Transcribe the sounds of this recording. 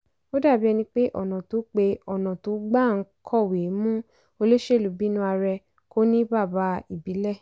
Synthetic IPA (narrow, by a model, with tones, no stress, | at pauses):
o˦da˦˨bi˦ɛ˧nĩ˧k͡pe˦ʔɔ̰˨nã˨tu˨˦k͡pe˧ɔ˨nã˨tu˨˦ɡ͡ba˦˨ŋ̩˨˦kʰɔ˦˨we˨˦mũ˦ | o˧le˦ʃe˦˨lu˨bi˦nũ˦a˧ɾɛ˧ | ko˦nĩ˦ba˦˨ba˧˦i˨bi˨˦lɛ˦˨